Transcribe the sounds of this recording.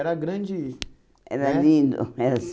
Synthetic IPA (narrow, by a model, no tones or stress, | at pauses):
ɛɾɐɡɾɐ̃d͡ʒɪ | ɛ̰ɾɐlĩnd̪ʊ̰ɛɾɐs